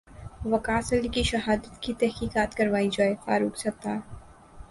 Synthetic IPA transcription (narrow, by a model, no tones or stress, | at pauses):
ʋɐkaːsəlikiʃɐɦaːd̪ət̪kit̪ɛɦkiːkaːt̪kɐɾʋaːid͡ʒaːefa̰ːɾuːksɐk̚t̪aː